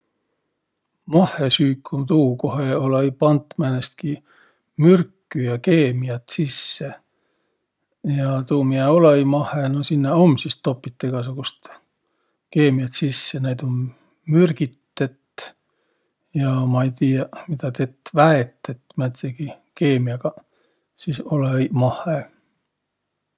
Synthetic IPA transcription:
mɑhesyːkʰːumt̪uːko̞ɦeolɑipɑnt̪ːˑmænest̪̚ki | myrkːyjɑke̞ːmiɑt̪sisːe | jɑt̪uːmiɑolɑimɑhˑenosinːeomsist̪ːo̞pːit̪ːeɡ̥ɑs̬uɡ̥ust̪ | keːmiɑt̪sisːenejd̪on | myrɡ̥it̪ːet̪ | jɑmɑejt̪iːɑmid̪ɑt̪et̪ːvæet̪ːˑet̪ːmæt̪seɡ̥ikeːmiɑɡɑ | sisolejmɑhˑe

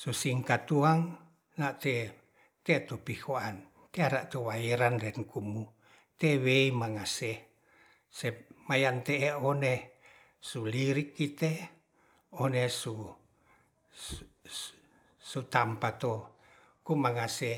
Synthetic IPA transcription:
susiŋkat̪uaŋ | naʔt̪e | t̪et̪upihoan | t̪eaɾaʔt̪owaeɾanlɛnkumu | t̪eweimaŋase | semajant̪eeone | suliɾikːit̪e | onesu | sut̪ampat̪o | kumaŋase

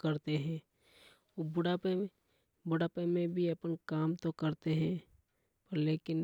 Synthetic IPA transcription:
kɐɾt̪eɦɛ̃ː | obʊɽape | bʊɽaːpemẽbʱiɐpənkaːmt̪okɐɾt̪eɦɛ̃ | pəɾleːkɪn

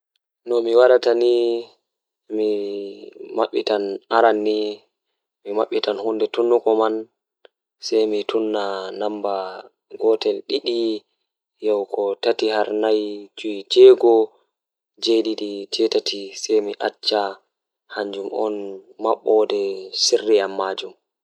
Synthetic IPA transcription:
nɔmiwaɗatani | mi | maɓːitanaɾanːi | mimaɓːitanhundɛtunːukɔman | sɛjmitʰunːanamba | ɡɔtɛlɗiɗi | jɔwkɔtatihaɾnajt͡ʃuid͡ʒɛɡɔ | d͡ʒedidit͡ʃɛtatʰisɛjmiʔat͡ʃːa | haɲd͡ʒumɔnmaɓːɔdɛsirːiamːad͡ʒum

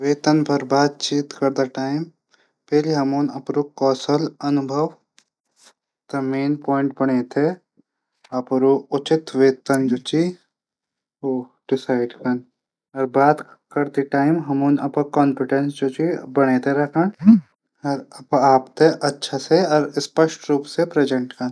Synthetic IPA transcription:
ʋeːt̪ənpʰɐɾbaːt̪̚t͡ʃiːt̪kɐɾd̪aʈaːɪm | pɛliɦɐmunɐpɾukɔːsəlɐnʊbʱəʋ | t̪ɐmeːnpɔːɪɳʈ̚bɐɽ̃eːt̪ʰe | ɐpɾoʊt͡ʃɪt̪ʋeːt̪ənd͡ʒoːt͡ʃi | oːɖ̥ɪsaːɪɖkɐn | ɔɾbaːt̪kɐɾt̪iʈaːɪmɦɐmuːnɐ̰pɐkɔːnpɪʈẽnsd͡ʒot͡ʃibɐɽ̃et̪ʰeɾɐkʰən | ɐɾpaːpt̪ʰeʔɐtːʃʰaseɔːɾspɐʃʈɾuːpsepɾed͡ʒə̃ɳʈkɐn

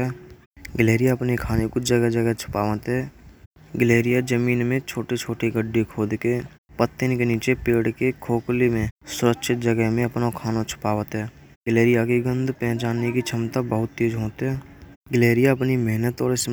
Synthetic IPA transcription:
ɛ | ɡəleːɾɪjaəpnekʰaːnekod͡ʒəɡəd͡ʒəɡət͡ʃʰʊ̥paːʋət̪ɦɛː | ɡəleːɾɪjad͡ʒəmiːnmẽt͡ʃʰoːʈet͡ʃʰoːʈiɡəɖːikʰoːd̪ke | pət̪ːɪnkeniːt͡ʃepeːɽkekʰoːklimẽsʊɾəkʃʰɪt̪̚d͡ʒəɡəɦmẽɐpnakʰaːnat͡ʃʰʊ̥paːʋət̪ɦɛː | ɡəleːɾɪjaɡiɡə̃nd̪ʱpɛ̃ːt͡ʃaːnːekit͡ʃʰəmt̪abəɦʊt̪ːiːd͡ʒɦoːt̪ɦɛː | ɡleːɾɪjaəpnimɛɦnət̪ɔːɾɪs

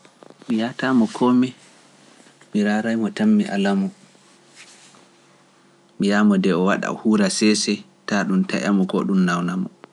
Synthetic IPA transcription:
mijatamɔkʰɔmɛ | miɾaɾajmɔtamːiʔa̰lamɔ | mijamɔdɛɔwaɗa̰huɾasɛsɛ | taɗumta̰ʔa̰mɔɡɔ̰ɗumnawnamɔ

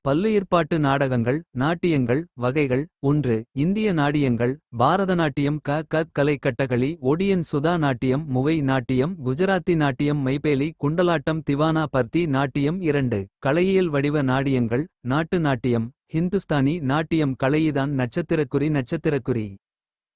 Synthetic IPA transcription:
pɐlːɯeːɾpaːʈːɯnaːɽɐɣɐŋɡɐɭnaːʈːɪjɐŋɡɐɭʋɐɣɐɪɣɐɭɔndrɯɪnd̪ɪjɐnaːɽɪjɐŋɡɐɭbʱaːɾɐðɐnaːʈːɪjɐmkaːkɐt̪̚kɐlɐɪkːɐʈːɐɣɐɭiɔɽɪjɐnsʊðaːnaːʈːɪjɐmːʊʋɐɪnaːʈːɪjɐmɡʊd͡ʒɐɾaːt̪ːinaːʈːɪjɐmːɐɪpeːlikʊɳɖɐlaːʈːɐmt̪ɪʋaːnaːpɐɾt̪inaːʈːɪjɐmɪɾɐɳɖɯkɐɭɐjɐjɪlʋɐɽɪʋɐnaːɽɪjɐŋɡɐɭnaːʈːɯnaːʈːɪjɐm | hɪnd̪ɯst̪aːninaːʈːɪjɐmkɐɭɐjɪðaːnnɐʈ̚t͡ʃːɐt̪ːɪɾɐkːɯɾinɐʈ̚t͡ʃːɐt̪ːɪɾɐkːɯɾi

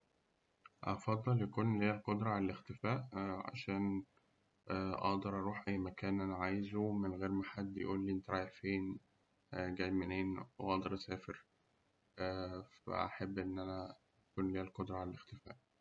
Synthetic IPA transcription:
ʔɑ̰fɑd̪ˤːɑljækuːnliːælqod̪ɾˤɑʕalælext̪efæːʔʕa̰ʃæːn | ʔɑ̰ʔd̪ɑɾˤʔɑɾˤuːħʔæjːmækæːnʔænæʕajzumenɣeːɾmaħad̪ːj̰ʔuːlːiːent̪ɾˤɑjeħfeːn | ɡæjmeneːnweʔɑʔd̪ɑɾˤsæːfeɾ | fæ̰ʔa̰ħabːʔenːʔænæ | ækuːnliːælqod̪ɾˤɑʕalælext̪efæ̰ːʔ

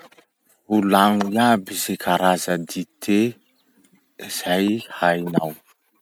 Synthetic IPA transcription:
ulaŋujabizekʰaɾazəd̪it̪ʰe | iz̥ajhajna̰w

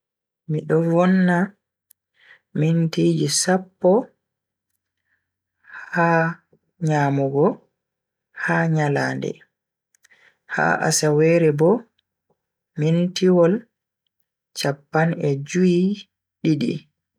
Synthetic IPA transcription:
miɗɔvɔnːa | mintiːd͡ʒisapːɔ | ha | ɲaːmuɡɔ | haːɲalaːndɛ̰ | ha̰ʔa̰sawɛɾɛbɔ | mintiwɔl | t͡ʃapːanɛd͡ʒuji | ɗiɗḭ

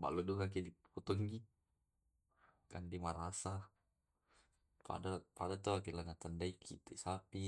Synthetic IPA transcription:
ba̰ludukak̬idiput̪ɔɦiɡi | kandimaɾasa | pa̰dapadat̪ɔakilaŋat̪andaikʰḭt̪ɛsapi

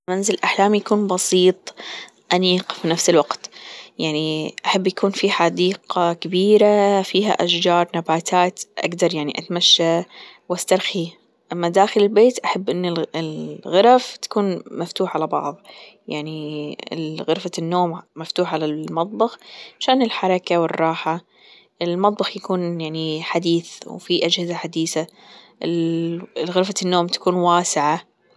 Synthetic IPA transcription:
manzɪlʔaħlaːmjakuːnbɑsiːt̪ˤ | ʔaniːqfinafsɪlwaqt̪jaʕniʔaħabːjakuːnfiħad̪iːqɑkabiːɾafiːɦa̰ʔaʃd͡ʒɑːɾˤnabaːt̪ʰaːt̪ʔa̰ɡd̪ɑɾˤjaʕniʔat̪amaʃːa | wʔast̪ɑɾˤxi | ʔamːad̪aːxɪlɪlbeːt̪ʔaħabːʔɪnːɪlɪlɣʊɾaft̪ḁkuːnmaft̪uːħʕalabɑ̰ʕðˤ | jaʕniɪ̰lɣɪɾfanːoːmːaft̪uːħʕalamɑt̪ˤbɑxʕaʃaːnɪlħɑɾˤɑkawɪrˤːɑːħa | ʔɪlmɑt̪ˤbɑxjakuːnjaʕniħad̪iːθwfiʔad͡ʒhɪzaħad̪iːθaʔɪl | ɣɪɾfanːoːmt̪ḁkuːnwaːsɪʕa

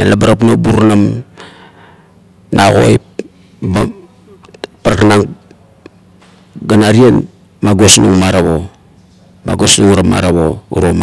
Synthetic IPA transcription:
elabaɾapnobuɾnam | nʔaɣo̰jp | ba | paɾkanaŋ | ɡanaɾien | maɡosnuŋmaɾaβo | ma̰ɡosnuŋɾama̰ɾaβoṵɾom

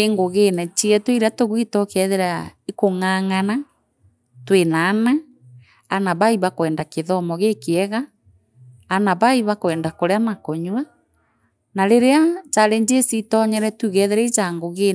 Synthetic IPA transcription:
eŋɡoɣenɛt͡ʃiɛtweiɾatoɣwitɔkɛðeɾaikoŋaːŋana | twenaːna | anaβaiβakwɛːndakeðɔmɔɣekeɛɣaː | naβaiβakoɛːndakoɾeamakɔɲwa | naɾeɾeat͡ʃaɾeɲd͡ʒesitɔɲɛɾɛtuɣɛðeɾɛit͡ʃaŋɡoɣe

